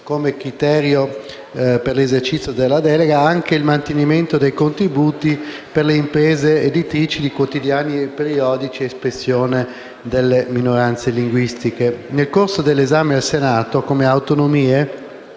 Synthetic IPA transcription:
komekɾit̪ɛːɾjo | perlezert͡ʃit̪sjod̪elːad̪ɛleɡaaŋkeilmant̪eniment̪od̪ejkont̪ɾibuːt̪iperleimpɾeːzeːd̪it̪ɾiːt͡ʃid̪ikwot̪id̪jaːnipeɾiɔːd̪it͡ʃieːspɾesːjoːne | d̪elːeminoɾant̪seliŋɡwist̪ikenelkorsod̪elːezaːmed̪elsenaːt̪okomeawt̪onomiːe

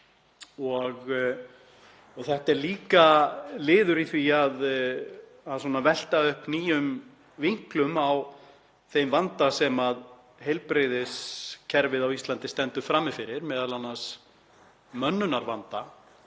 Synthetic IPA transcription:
ɔɣ | ɔɣθɛht̪ɛɾliːkalɪːðʏɾiθviað | asɔːnavɛl̥t̪aʏhpniːjʏm | viŋ̥klʏmaw | θejmvant̪asɛmað | ɦejlpɾeðɪscʰɛɾvɪðawist̪lant̪ɪst̪ɛnt̪ʏfɾamːɪfɪɾɪɾmɛːðalanːas | mœnːʏnaɾvant̪a

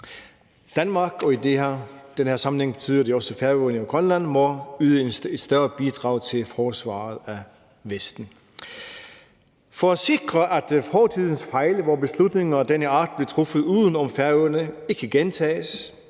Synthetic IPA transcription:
d̥ænmɑ̈ːɡ̥ɒ̽id̥ehæd̥enhæɐsɑ̈mn̩eŋb̥e̝t͡sʰy̰ːð̰ˠɐd̥eɒ̽səfæɐøɐnəiɡ̥ʁɒnlæn̰mɒ̽yːðˠəed̥sd̥ɶɐb̥id̥ʁɑ̈ʊt͡sʰe̝lfɒːsʋɑ̰̈ːð̞̩ˠæ | ʋesd̥n̩ | fɒæse̝ɡ̥ʁɐʔæd̥fhɒːt͡sʰið̰ˠn̩sfɑ̈ɪlʋɒbe̝slud̥ne̝ŋɐd̥enəɑ̈ːd̥̚b̥lit͡sʰʁofəð̞̩ˠuːðˠən̩ɒ̽mfæɐøɐnəe̝ɡ̥ʰæɡ̥ent͡sʰɛ̰ːs

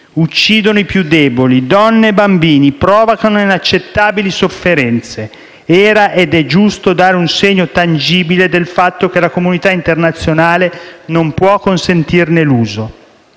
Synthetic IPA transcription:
ut͡ʃːiːd̪onoipjud̪ːɛːbolid̪ɔnːeːbambiːnipɾɔːvokanoinat͡ʃːet̪ːaːbilisofːeɾɛnt̪se | ɛːɾaʔed̪ɛd͡ʒust̪od̪aːɾeunseɲːot̪and͡ʒiːbiled̪elfat̪ːok̟elakomunit̪aint̪ernat̪sːjonaːlenompwɔkːonsent̪irneluːzo

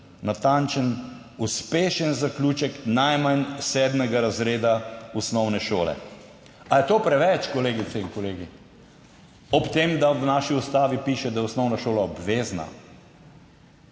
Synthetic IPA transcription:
nat̪ant͡ʃən | uspeːʃənzaklʲuːt͡ʃəknajmansɛːd̪mɛɡaɾazɾeːd̪ausnɔwnɛʃo̰ːlɛ̰ | ajɛt̪oːpɾɛʋɛt͡ʃkɔleːɡit̪sɛiŋkɔleːɡi | ɔpt̪eːmd̪awnaːʃiust̪aːʋipiːʃɛd̪ajɛʊsnɔwnaʃoːlaɔbʋeːzna̰

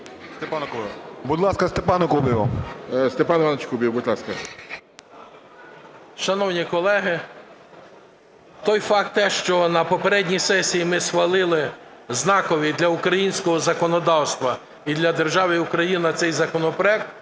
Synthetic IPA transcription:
st̪epnbud̪lˠɑskɐst̪epɑnɐkubʲiʋɐ̰st̪epɑnɪʋɑnɐt͡ʃkubʲjiwbud̪lˠɑskɐ | ʃɐnɔwnʲikɔlˠɛɦɪ | t̪ɔjfɑk̚t̪ːɛʃt͡ʃɔnɐpɔpeɾɛdʲnʲisɛsʲijimɪsxʋɐlˠɪlˠɪ | znɑkɔʋʲid̪lʲɐʊkɾɐjinʲsʲkɔɦɔzɐkɔnɔd̪ɑwst̪ʋɐ | id̪lʲɐd̪e̞rʒɑʋɪukɾɐjinɐt̪sɛjzɐkɔnɔpɾɔɛk̚t̪

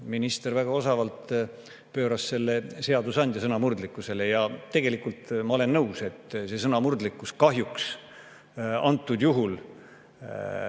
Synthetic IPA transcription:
minist̪e̞rvæɡ̥ɑo̞sɑvɑlt̪ | pø̞ːɾɑsse̞lːe̞se̞ɑd̪usɑnʲd̪jɑsɤnɑmurd̪likːuse̞le̞jɑt̪ːe̞ɡe̞likult̪mɑo̞le̞nːɤwse̞t̪ːse̞s̬ɤnɑmurd̪likːˑuskɑɦjuks | ɑnt̪ːˑud̪juɦul

